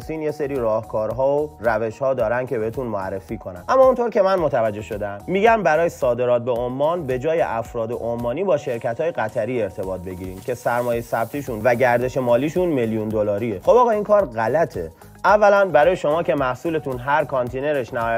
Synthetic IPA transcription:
siːnje̞se̞ɾiːɾɒːhkʰɒːɾɦɒːoræve̞ʃhɒːd̪ɒːɾænd̪kʰʲe̞be̞het̪ʰunmoæ̰rːefiːkʰo̞næ̰nʔæmːɒːunt̪ʰo̞ɾcʲe̞mænmot̪ʰævæd͡ʒːe̞hʃo̞d̪æmːiɟæmbæɾɒːjesɒːd̪e̞ɾɒːt̪̚beomːɒːnbe̞d͡ʒɒːjeʔæfɾɒːd̪eʔomːɒːniːbɒːʃe̞ɾcʰæt̪ʰhɒːjeɣæt̪ʰæɾiːe̞ɾt̪ʰe̞bɒːt̪̚be̞ɟiːɾiːmcʲʰe̞sæɾmɒːjesæb̥̚t̪ʰiːʃunvæɟæɾd̪e̞ʃe̞mɒːliːʃunmeljund̪olɒːɾiexobɒːɣɒːiːnkʰɒːɾɣælæt̪ʰe̞̰ | ʔævːælænbæɾɒːjeʃo̞mɒːce̞mæhsuːle̞t̪ʰunɦæɾkʰɒnt̪ʰene̞ɾeʃnæːj

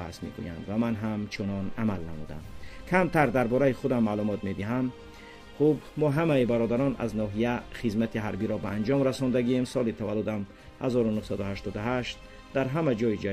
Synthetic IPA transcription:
a̰smḛɡṵja̰nd̪vamanɦamt͡ʃʰunɔnamalnamṵd̪a̰mkʰamt̪ʰaɾd̪aɾbɔɾaiχud̪amːalumɔt̪med̪iɦam | χubmɔɦamaibaɾɔd̪aɾɔna̰znɔɦijaχizmat̪ʰiɦaɾbiɾɔbaːnd͡ʒɔmɾasɔnd̪aɡiemsɔlit̪ʰavalːud̪am | hazɔɾunuhsad̪uhaʃt̪ɔd̪uɦaʃt̪̚ | d̪̥aɾɦamad͡ʒɔid͡ʒa

